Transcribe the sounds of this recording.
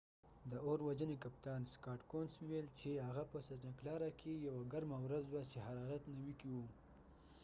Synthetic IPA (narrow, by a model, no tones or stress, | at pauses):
d̪əoɾwad͡ʒənekap̚t̪ɑnskɑʈkonswuwelt͡ʃeɦaɣapəsaɾnaklɑɾakʰejawaɡaɾmawɾazwat͡ʃehaɾɑɾat̪nawikiwu